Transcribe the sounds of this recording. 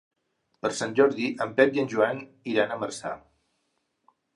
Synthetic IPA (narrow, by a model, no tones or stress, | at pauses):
pəɾsanʲʒɔɾðiʔəmpɛp̚jənʲʒuan | iɾanəməɾsa̰